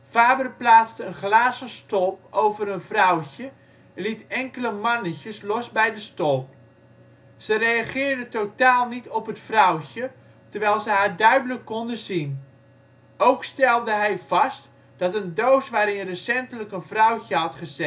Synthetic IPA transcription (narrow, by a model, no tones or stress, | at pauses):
faːbərplaːt͡stəənχlaːzəstɔlˠp̚owvəɾənvrɔwcə | ɛnlitɛŋkələmɑnəçəslɔsbɛjdəstɔlˠp̚ | z̥ərejaχɪːɹdətotaːlˠnitʰɔpɦətfrɔwcə | tərʋɛjlˠzəɦaːɹdœɥdələkːɔndəzin | owkstɛlˠdəɦɛjv̥ɑst | d̥ɑtəndowsʋaːɾɪnrəsɛntələkənvrʌwçəɦɑtχəz̥ɛ